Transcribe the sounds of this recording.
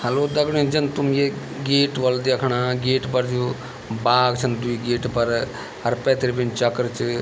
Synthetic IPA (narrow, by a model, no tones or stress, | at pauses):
hɐloːd̪ɐɡɽẽd͡ʒɐnt̪umje | ɡeːʈʋɐld̪ekʰɽaːɡeːʈpɐɾd͡ʒʰu | baːɡt͡ʃʰɐnd̪uiɡeːʈpɐɾ | ɦɐɾpɛ̃ːt̪ɾibint͡ʃɐkɾt͡ʃʰɨ